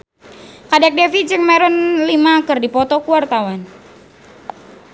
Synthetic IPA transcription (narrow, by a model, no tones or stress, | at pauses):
kadɛk̚dɛfid͡ʒɨŋmɛɾɔnlimaːkɨrdipɔt̪ɔkuwart̪awan